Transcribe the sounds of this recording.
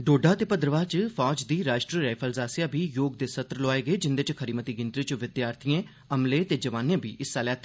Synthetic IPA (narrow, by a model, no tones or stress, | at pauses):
ɖoːɖaːt̪eːpəd̪ɾəʋaːt͡ʃpʰɔːd͡ʒd̪iːɾaːʃʈɾiːɾaːpʰəlzaːsɪjaːbʱiːjoːɡ̚d̪eːsət̪ɾəlɔːeːɡeːd͡ʒɪnd̪et͡ʃkʰəɾiːmət̪iːɡɪnt̪ɾit͡ʃʋɪd̪jaːɾt̪ʰiẽː | əmleːt̪eːd͡ʒəʋaːnẽːbʱiːʔɪsːaːlɛːt̪ʰː